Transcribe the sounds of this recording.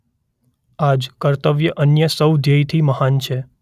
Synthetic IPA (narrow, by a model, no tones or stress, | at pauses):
ad͡ʒkəɾt̪əʋjəʔənjəsəwd̪ʱjəjt̪ʰiməhant͡ʃʰe